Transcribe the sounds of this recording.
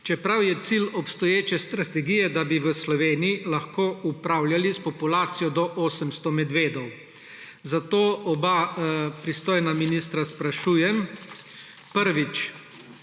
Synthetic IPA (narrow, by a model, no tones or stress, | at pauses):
t͡ʃɛpɾawjɛt̪silɔpst̪ɔjeːt͡ʃɛst̪ɾat̪ɛɡijɛd̪abiʋəslɔʋeːniilaxkoːupɾaːwljalispɔpulaːt̪sijɔd̪ɔʔoːsəmst̪ɔmɛd̪ʋeːd̪ɔw | zat̪oːɔbapɾist̪oːjnaminist̪ɾaspɾaʃuːjɛm | pəɾʋit͡ʃ